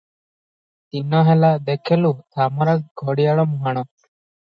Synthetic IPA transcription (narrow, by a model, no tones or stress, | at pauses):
t̪inɔɦɛlad̪ekʰelut̪ʰaːmɔɾakɡʱɔɽijaɭɔmuɦaɽ̃ɔ